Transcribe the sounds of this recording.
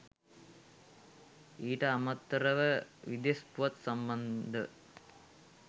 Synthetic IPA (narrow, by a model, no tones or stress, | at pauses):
iːʈɐɐmɐt̪ːrɐʋəʋid̪ɐspuʋɐt̪sɐmbɐnd̪ʱɐ